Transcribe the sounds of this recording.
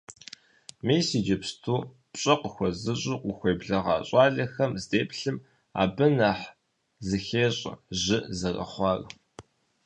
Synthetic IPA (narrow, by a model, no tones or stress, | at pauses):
mijsiːd͡ʒɐpstʰuː | pɕʼɐqəxʷɔzɨɕʼʊqʷʊxʷeːbɮɐʁɑ̰ːɕʼɑːɮɐxɐmzdeːpɬɨm | a̰ːbɨnaħ | zɨxeːɕʼɐ̰ʑɪzɐrɐ̰χʷɑːr